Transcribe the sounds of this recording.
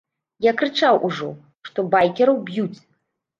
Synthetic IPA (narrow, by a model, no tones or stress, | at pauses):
jakɾɨt͡ʂawʔuʐɔ̰ | ʂt̪ɔbajkʲɛɾɐwbjut͡sʲ